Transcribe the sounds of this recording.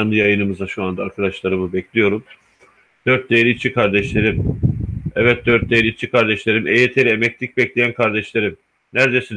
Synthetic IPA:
anɯjajɯnɯmɯzaʃuand̪aːɾkʰad̪aʃlˠaɾɯmɯbɛclʲijo̞ɾum | d̪̥øɾt̪̚d̪eɾʲit͡ʃʰikʰaɾd̪ɛʃlʲeɾim | ɛvɛt̪̚d̪øɾt̪̚d̪ejeɾʲit͡ʃʰikʰaɾd̪ɛʃlʲe̞ɾimʔejet̪ʰe̞ɾiemɛclʲic̚bɛclʲejænkʰaɾd̪ɛʃlʲe̞ɾim | næɾd̪e̞sin

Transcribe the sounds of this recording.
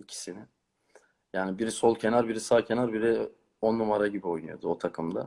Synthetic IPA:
icʰi̥sinɪ | jaːnibiɾsolˠcʰe̞naɾbiɾisaːcʰe̞naɾbiɾɛ | onːumaɾaɟibio̞jnṵjo̞̰d̪uot̪ʰakʰɯmd̪a̰

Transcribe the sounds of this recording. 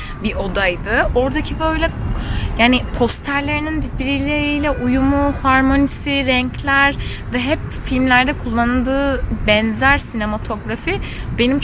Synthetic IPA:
biʔo̞d̪ajd̪ɯo̞ɾd̪acʰibø̞jlʲɛjaːnɪpʰo̞st̪ʰæɾlʲe̞ɾininbiɾbiɾilʲeɾijlʲɛʔujumuhaɾmo̞nisiɾɛɲclʲæɾ | vɛɦɛpfilʲmlʲæɾd̪ɛkʰulˠːanɯlˠd̪ɯːbɛnzæɾsine̞mat̪ʰo̞ɡɾafibe̞nimt͡ʃ

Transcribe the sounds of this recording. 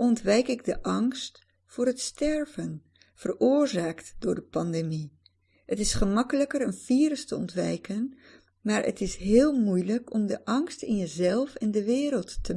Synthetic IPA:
ʔɔntʋɛjkɪɡdəʔɑŋst | fʊːɹətstɛɹvən | v̥ərʊːɹzaːktd̥ʊːɹdəpɑndemi | ɦətɪsχəmɑkələkərənv̥iːɾəstəɔ̰ntʋɛ̰jkən | maːɹʔə̰tɪsɦɪːlˠmujləkɔmdəʔɑŋstɪ̰njəzɛlˠfɛndəʋɪːɾəlˠtːə

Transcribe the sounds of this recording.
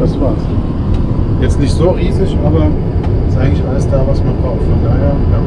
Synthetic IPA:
asv̥aːɐs | jɛt͡stnɪçtz̥oːʁiːzɪçʔaːbɐ | ɪstʔaɪɡŋtlɪçʔaləsd̥aːvasmanbʁaʊxfɔndaːheːɐja

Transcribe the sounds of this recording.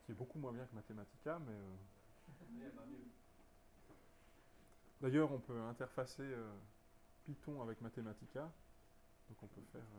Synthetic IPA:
kʲiɛbokumwɛ̃bjɛ̃kəmat̪emat̪i̥kʲamɛø | d̪ajœːʁɔ̃pøɛ̃t̪ɛʁfaseø | pit̪ɔ̃avɛkmat̪emat̪ikʲa | d̪̥ɔ̃kɔ̃pøfɛːʁ

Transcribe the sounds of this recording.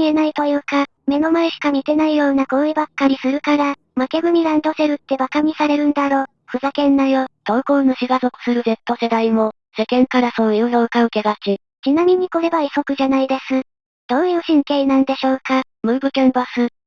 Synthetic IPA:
ie̞nait̪o̞jɯ̟ːka | me̞no̞maeɕi̥kamʲit̪e̞naijo̞ːnako̞ɯibakːaɾʲisɨɾɯ̟kaɾa | make̞ɡɯ̟m̟ʲiɾãnd̪o̞se̞ɾɯ̟t̪ːe̞bakamʲisaɾe̞ɾɯ̟̃nd̪aɾo̞ː | ɸɯ̟zakẽ̞nːajot̪o̞ːko̞ːno̞ɕiɡazo̞kɯ̟̥sɨɾɯ̟ze̞t̪ːo̞se̞d̪aimo̞ | se̞kẽ̞ŋkaɾaso̞ːjɯːnoɯ̟kaɯ̟ke̞ɡat͡ɕi | t͡ɕinamʲiɲ̟iko̞ɾe̞βaiso̞kɯ̟ʑanaid̪e̞sɨ | d̪̥o̞ːjɯ̟ːɕĩŋke̞inãnd̪e̞ɕo̞ːka | mɯ̟ːbɯ̟kẽ̞mbasɨ

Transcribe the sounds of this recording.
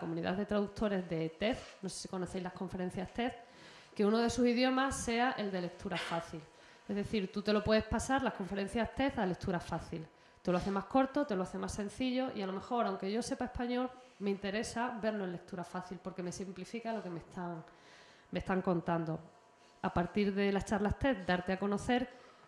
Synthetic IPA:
komũniða̰ðe̞t̪ɾaðuk̚t̪ʰo̞ɾe̞zðe̞t̪e̞θno̞sesi̥ko̞no̞θe̞jzlahkõ̞ɱfe̞ɾe̞n̟θjast̪e̞θ | ke̞uno̞ð̞e̞susiðjo̞masːe̞aʔe̞ld̪e̞le̞k̚t̪ʰuɾafaθil | e̞zðe̞θiɾt̪ut̪e̞lo̞pweðe̞hpasaɾlahko̞ɱfe̞ɾẽ̞n̟θjast̪e̞θale̞k̚t̪uɾafaθil | t̪e̞loaθe̞mahko̞ɾt̪o̞t̪eloaθe̞masːẽ̞n̟θiʎo̞ʔialo̞me̞xo̞ɾawŋke̞ʝo̞se̞pae̞hpaɲo̞l | me̞int̪e̞ɾe̞sabe̞ɾlo̞e̞nle̞k̚t̪uɾafaθilpo̞ɾke̞me̞simplifikalo̞ke̞meht̪aŋ | me̞st̪aŋkõ̞nt̪and̪o̞ | apaɾt̪iɾðe̞lat͡ʃaɾlaht̪e̞θd̪aɾt̪e̞ako̞no̞θe̞ɾ

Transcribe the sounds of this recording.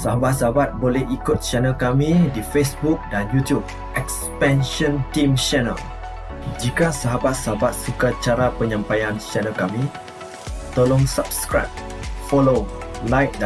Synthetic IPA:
saɦabat̪̚saɦabat̪̚bolɛhikʊt̪̚t͡ʃɛnəlkamĩdifesbuk̚danjut̪jub̚ | ɛkspɛ̃nʃɔ̃ntĩmt͡ʃɛnə̰l | d͡ʒikasaɦabat̪̚saɦabat̪̚sukat͡ʃaɾapəɲãmpajant͡ʃɛnəlkamĩ | t̪əlɔŋsap̚skɾa̰p̚ | fɔlolajk̚d

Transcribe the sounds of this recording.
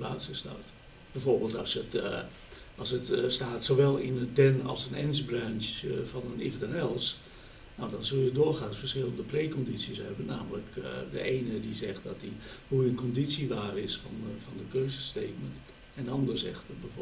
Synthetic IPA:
baːtsəsta̰ːt | bɛjforbeːlˠtɔ̰sjət | ʔɑlˠsətstaːtsoːʋɛlˠɪnədɛnɔ̰lˠsənɛ̰nsbrant͡ʃfɔnənḭfdɛnɛlˠs | nawdɔnzølˠjədʊːrxãːnfərsχɪlˠəndəpreːkɔnditsiəshɛbənːa̰ːmələkdə̰ʔeːnədizɛxt̚dɔtdihujənkɔnditsiʋaːrɪsfɔnfɔndəkøːzəsteːkmənt | ɛndəɑndərzɛ̰xtbɛf

